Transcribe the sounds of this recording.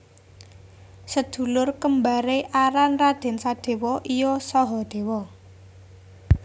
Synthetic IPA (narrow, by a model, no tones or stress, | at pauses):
səd̪̥ṳlʊrkəmbaɾeʔaɾanrad̪̥e̤nsad̪̥e̤wɔʔijɔsɔɦɔd̪̥e̤wɔ